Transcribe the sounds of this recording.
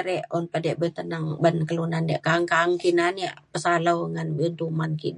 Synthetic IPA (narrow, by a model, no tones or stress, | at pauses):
ɾɛʔɔnpədɛʔbət̪ənaŋbənkəlunandiʔkaŋkaŋkinaniaʔpəsalawŋanbint̪umanki